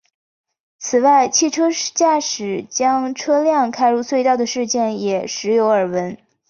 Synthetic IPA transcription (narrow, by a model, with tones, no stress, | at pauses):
t͡sʰɹ̩˨˩wa˥˩ɪt͡ɕʰi˥˩ʈ͡ʂʰɤ˥t͡ɕja˥˩ʂɻ̩˨˩t͡ɕjɑ˥ŋʈ͡ʂʰɤ˥ljɑ˥˧ŋkʰa˥ɪɻu˥˧swe˥˧ɪt̪ɑ˥˩ʊd̪ə˩ʂɻ̩˥˧t͡ɕjɛ˥˩njɛ˨˩ʂɻ̩˧˥jo˧˥ʊə˞˨˩wə˧˥n